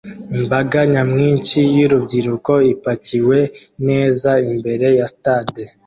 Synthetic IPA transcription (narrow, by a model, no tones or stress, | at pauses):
imbaɡaɲamŋiːnt͡ʃijuɾubɟiɾuko̞ipaciwe̞ne̞ːzaimbe̞ɾe̞jasitaːde